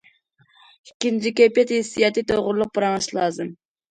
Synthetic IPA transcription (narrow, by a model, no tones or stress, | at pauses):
ikʲːint͡ʃʰikʲøpjɛt̪hɪsːijɑt̪ɨt̪ʰoʁʊɾlˠʊq̚pɨɾɑŋɨʃlˠɑːzɨm